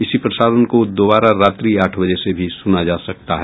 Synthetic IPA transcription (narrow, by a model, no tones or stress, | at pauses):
ɪsipɾɐsaːɾənkod̪oːbaːɾaɾaːt̪ɾiaːʈʰʋɐd͡ʒɛsebʱisʊnad͡ʒaːsɐk̚t̪aɦɛː